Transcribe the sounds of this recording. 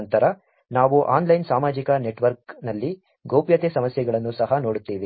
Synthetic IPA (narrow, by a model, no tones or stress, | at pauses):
nt̪ɐɾɐ | naːʋuʔaːnlɐjnsaːmaːd͡ʒikɐne̞ʈʋɐɾk̚nɐlːi | ɡowpjɐt̪eːsɐmɐsjɐɡɐɭɐnːusɐɦɐnoːɽut̪ːiːʋi